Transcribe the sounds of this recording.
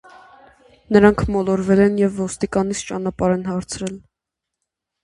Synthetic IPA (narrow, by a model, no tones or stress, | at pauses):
nəɾɑŋkʰmɔlɔɾvɛlɛnjɛvːɔst̪ikɑnit͡sʰt͡ʃɑnɑpɑɾɛnhɑɾt͡sʰɾɛl